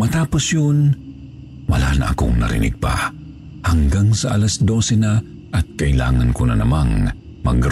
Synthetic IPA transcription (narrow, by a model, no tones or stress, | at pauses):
mɐt̪aːposjon | mɐla̰ːnɐ̰ʔɐko̰ŋnɐ̰ɾɪ̰nɪɡ̚pa̰ | hɐŋɡaŋsɐʔɐlasd̪o̞ːsɛna | ʔɐt̪̚kɐʔɪla̰ːŋɐnkʊnɐnɐmaŋ | mɐ̰ɡɾ